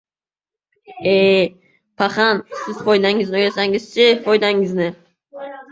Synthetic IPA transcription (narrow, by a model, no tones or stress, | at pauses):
e | pʰaχansɪz̥fojd̪aŋɪznɪojasaŋɪzt͡ʃʰɪfojd̪aŋɪznɪ